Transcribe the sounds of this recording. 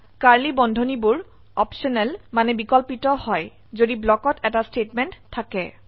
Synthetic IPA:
kaɹlibɔndʱonibʊɹ | ɔpsɔnɛlmanɛbikɔlpitɔhɔj | zodiblɔkɔtʰɛtastetmɛntʰːakɛ

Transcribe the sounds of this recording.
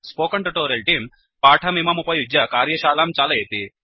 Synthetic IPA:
spoːkɐɳʈuʈoːɾelʈiːm | paːʈʰɐmimɐmupɐjud͡ʒjɐkaːɾjɐʃaːlaːmt͡ʃaːlɐjet̪i

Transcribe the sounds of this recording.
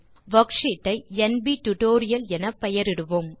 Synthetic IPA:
ʋɐkʂiʈːɐɪɛnbiʈʊʈoːɾɪjɐlɛnɐpɛjɐɾɪɽɯʋɯm

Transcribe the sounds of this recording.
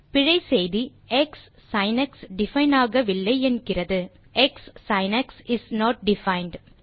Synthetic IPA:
pɪɻɐɪsɛjði | ɛksː | ɐɪnɐksɖɪfɐɪnaːɣɐʋɪlːɐɪɛnɡɪrɐðɯ | ʔɛksːɐɪnɐksɪsnoːʈ̚ɖɪfɐɪnɖ

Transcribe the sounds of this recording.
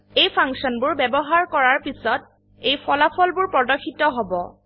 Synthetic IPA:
ejpʰaŋsɔnbʊɹbɛbɔɦaɹkɔɹaɹpisɔt̚ | ejpɔlapʰɔlbʊɹpɹɔdɔkʰːitɔɦobɔ

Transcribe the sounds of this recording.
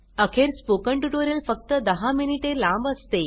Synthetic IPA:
əkʰeɾspokəɳʈuʈoɾjəlfək̚t̪əd̪əɦaminiʈelãmbəst̪e

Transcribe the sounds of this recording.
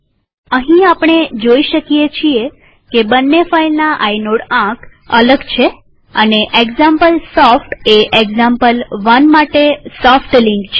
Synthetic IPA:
əɦĩapɳ̃ed͡ʒoiʃəkijet͡ʃʰie | kebənːefailnaʔainoɽãk | ələɡt͡ʃʰe | əneʔeɡzãmpəlsɔfʈeʔeɡzãmpəlʋənmaʈesɔfʈliŋkt͡ʃʰ

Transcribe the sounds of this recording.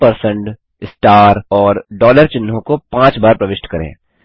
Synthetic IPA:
pɐɾsə̃ɳʈ | ɪsʈaːɾɔːɾɖɔːləɾt͡ʃɪnːõkopãːt͡ʃbaːɾpɾɐʋɪʃʈkɐɾḛ̃ː

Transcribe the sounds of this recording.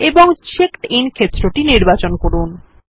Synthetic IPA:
eboŋt͡ɕekʈinkʰet̪ːɾoʈiniɾbat͡ɕonkoɾun

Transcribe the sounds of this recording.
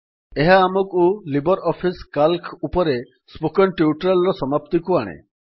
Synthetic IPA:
eɦaːmɔkulibɔɾɔpʰiskalkupɔɾe | spokɔnʈiuʈɾalɾɔsɔmapt̪ikuaɽ̃ḛ

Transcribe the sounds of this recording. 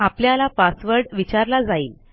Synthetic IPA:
apljalapasʋəɾɖʋit͡ɕaɾlad͡zaiːl

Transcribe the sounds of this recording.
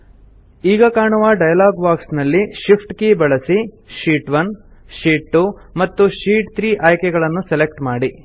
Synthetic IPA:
iːɡɐkaːɳuʋɐɖɐjɐlaːɡbaːksnɐlːiʃipʰʈkebɐɭɐsi | ʃiːʈʋɐn | ʃiːʈːumɐt̪ːuʃiːʈt̪ʰɾiːʔaːjkɛɡɐɭɐnːuselekʈmaːɽi

